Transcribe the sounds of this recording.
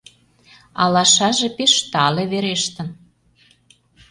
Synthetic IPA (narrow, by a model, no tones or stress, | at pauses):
ɑ̰lɑʃɑʒepeʃt̪ɑleβeɾeʃt̪ə̆n